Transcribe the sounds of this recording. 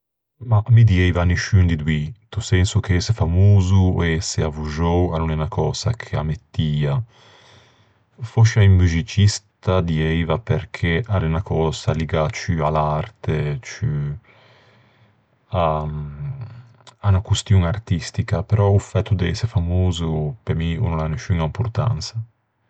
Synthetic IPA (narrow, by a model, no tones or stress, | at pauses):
mamid̪iɛjvaniʃynd̪id̪wit̪usɛnsukeɛsefamoːzueseavuʒowanunɛnakʰɔːza̰kʰea̰met̪ːiːa | foʃaimmyzit͡ʃist̪ad̪iɛjvapeɾkʰeʔaɾenakʰɔːzaliɡat͡ʃyalaɾt̪et͡ʃy | a | anakust̪juŋart̪ist̪ikapeɾɔufɛt̪ːud̪eɛsefamoːzupemiṵnulaneʃyŋaimpuɾt̪a̰nt̪sa